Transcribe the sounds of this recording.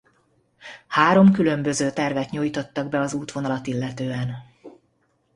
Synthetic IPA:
haːɾo̞mkylø̞mbø̞zøːt̪ɛrvɛt̪ɲojt̪o̞t̪ːɒɡ̚bɛɒzuːt̪ʋo̞nɒlɒt̪ilːɛt̪øːɛn

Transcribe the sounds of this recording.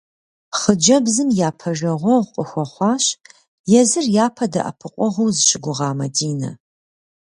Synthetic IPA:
χəd͡ʒɐbzɨmjaːpʰɐʒɐʁʷɔʁʷqʼəxʷɔχʷɑːɕ | jɛzɨrjaːpʰɐdɐ̰ʔɐ̰pʰɨqʷʼɔʁʷowzɨɕʼɪɡʷʊʁɑːmɐdiːnɐ̰

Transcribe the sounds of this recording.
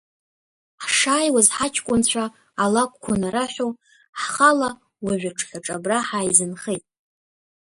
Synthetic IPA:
ħʂaːjwazħat͡ʃʰkʷʼʊnt͡ɕʷʰaː | lakʷʰʼkʷʰanaɾaħʷᶣo | ħχala | waʒʷᶣaʈ͡ʂʰχʲaʈ͡ʂʼabraħaːizɨnχejtʼ

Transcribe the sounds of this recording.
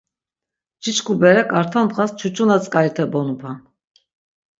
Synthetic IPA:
d͡ʒit͡ʃkʰubɛɾɛkʼaɾt̪ʰanb̪χast͡ʃʰut͡ʃʰʼunat͡sʼkʼaɾit̪ʰɛbɔnupʰan

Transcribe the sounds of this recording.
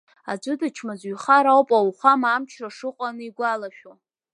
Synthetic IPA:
ad͡ʒʷʊdat͡ʃʰmazɥχaɾawpʼawχʷamaamt͡ʃʰraʂɨqʷʼanɨiɡʷalaʃᶣo

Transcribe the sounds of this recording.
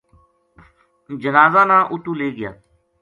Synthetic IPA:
d͡ʒənaːzaːnãːʔʊt̪ũːleːɡɪja̰ː

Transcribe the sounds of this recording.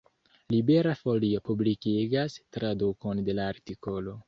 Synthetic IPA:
libe̞ɾafo̞lio̞publikiɡastɾaduko̞nde̞laːɾtiko̞lo̞

